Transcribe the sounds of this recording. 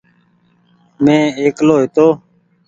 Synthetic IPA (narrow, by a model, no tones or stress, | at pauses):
mẽːeːkloːɦet̪oː